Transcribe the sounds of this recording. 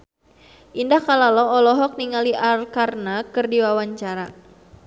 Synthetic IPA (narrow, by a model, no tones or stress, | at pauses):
ʔindahkalalɔɔlɔɦɔk̚niŋaliʔalkarnakɨrdiwawaɲt͡ʃaɾa